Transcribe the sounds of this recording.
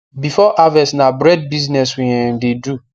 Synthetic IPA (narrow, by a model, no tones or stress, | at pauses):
bifɔʔavɛsnabɾɛd̚biznɛswĩɛndedu